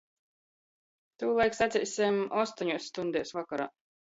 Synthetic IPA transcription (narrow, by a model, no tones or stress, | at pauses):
t̪uːlˠajksat̪zʲisʲɛmɔst̪ɔɲuɔsːt̪und̪ʲɛːsvakaɾa̰ː